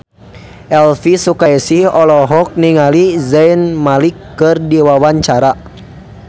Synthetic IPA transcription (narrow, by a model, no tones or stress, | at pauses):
ʔɛlfisukajsihɔlɔɦɔk̚niŋalizɛinmalikːɨrdiwawaɲt͡ʃaɾa